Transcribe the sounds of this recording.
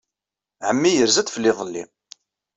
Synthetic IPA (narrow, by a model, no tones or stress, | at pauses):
ʕəmːijəɾzæd̪fəlːɪðˤəlːḭ